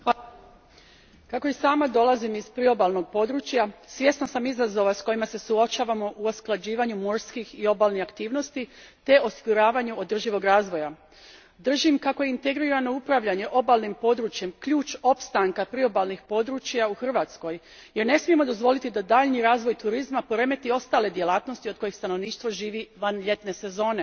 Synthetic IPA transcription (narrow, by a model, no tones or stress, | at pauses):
kakojesaːmad̪o̞lazimizpɾio̞balˠno̞ɡ̚po̞d̪ɾuːt͡ɕjasʋje̞snasamizazo̞ʋasko̞jimase̞suo̞t͡ʃaːʋamo̞ʔuosklˠad͡ʑiːʋaɲumo̞ɾskixio̞baːlˠniakt̪iːʋno̞st̪i | t̪e̞ʔo̞siɡuɾaːʋaɲuo̞d̪r̩ʒiʋo̞ɡɾaːzʋo̞ja | d̪r̩ʒimkako̞jeint̪e̞ɡɾiɾano̞upɾaʋʎaɲe̞ʔo̞baːlˠnimpo̞d̪ɾuːt͡ɕje̞mkʎuːt͡ʃo̞pst̪aŋkapɾio̞balˠnixpo̞d̪ɾut͡ʃjauxr̩ʋat̪sko̞j | je̞ɾne̞smije̞mo̞d̪o̞zʋo̞lit̪id̪ad̪aʎniɾaːzʋo̞jt̪uɾizmapo̞ɾe̞me̞t̪io̞st̪aːle̞d̪je̞laːt̪no̞st̪iod̪̚ko̞jixst̪ano̞ʋniːʃt̪ʋoʒiːʋiʋanʎe̞t̪ne̞se̞zo̞ːne